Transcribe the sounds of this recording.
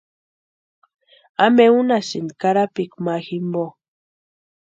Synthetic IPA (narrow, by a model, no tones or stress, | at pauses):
ameunasinkaɾapikmaximbo